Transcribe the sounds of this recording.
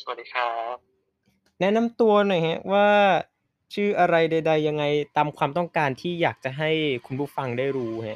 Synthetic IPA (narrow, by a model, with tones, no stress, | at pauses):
sa˨˩t̚diː˦˧˩kʰa˦˥p̚ | nɛ˦˥na˧mt̪u˧ɐnɔ˨˩jha˦˥waː˥˩ | t͡ɕʰɯː˥˩ʔa˧ɾa˧jda˧jda˧jːa˧ŋːa˧jt̪aː˧mkʰwaː˧mt̪ɔ˥˩ŋkaː˧nt̪ʰiː˥˩jaː˨˩k̚t͡ɕa˨˩ɦa˥˩jkʰu˧npʰu˥˩fa˧ŋdaː˥˩jɾuː˦˥ha˦˥ʔ